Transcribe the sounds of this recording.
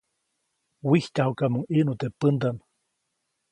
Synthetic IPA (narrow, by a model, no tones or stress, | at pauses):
wiht̪ahukamuŋinut̪epɨnd̪an